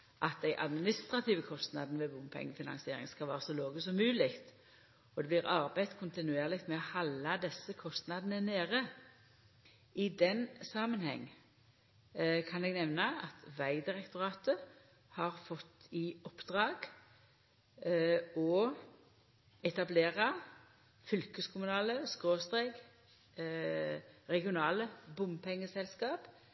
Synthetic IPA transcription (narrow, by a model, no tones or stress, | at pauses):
ʔɑt̪̚d̪æɪʔɑ̰d̪mɪnɪst̪ʁɑt̪ʰiːʋəkʰɔst̪nɑ̰d̪nʋɛbʊmpʰɛ̰ŋːfɪnɑ̰nsɪeːɾɪ̰ŋskɑlʋæːʁəsɔloːɡəsɔmːʉːlɪkt̪ | ɔd̪ɛblɪʁɑɾbæɪd̪kʰʊnt̪ɪnʉeːʁlɪkt̪mɛɔhɑlːɑd̪ɛsːəkʰɔst̪nɑd̪n̩əneːʁə | ɪd̪ɛnsɑːmənhɛ̰ŋː | kʰɑnɛɡnɛʋnəɑt̪ʰʋæɪd̪ɪʁɛkt̪ʊʁɑːt̪ə | hɑʁfɔt̪ːɪɔpd̪̥ʁɑːɡ | ɔ | ɛt̪ɑbleːʁɑ | fʏlkəskʰʊmʉnɑːləskʁoːst̪ʁeːɡ | ʁɛɡɪʊnɑːləbʊmpʰɛŋːəsɛlskɑːp